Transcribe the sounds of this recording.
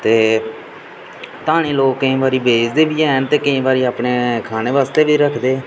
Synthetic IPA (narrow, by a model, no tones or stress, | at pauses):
t̪eː | t̪aːɽ̃iːloːkːɪĩːbaːɾiːbeːd͡ʒd̪eːbiːɛːnt̪eːkɪẽːbaːɾiːaːpɳeːkʰaːneːʋaːst̪eːʋiːɾəkʰd̪eː